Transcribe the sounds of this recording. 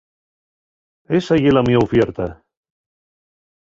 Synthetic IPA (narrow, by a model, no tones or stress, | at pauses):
esajelamiaofjeɾt̪a